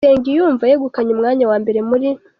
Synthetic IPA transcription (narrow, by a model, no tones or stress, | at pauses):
eːŋɡijuːɱvajeɡukaɲumŋaːɲawaːmbe̞ɾe̞muɾi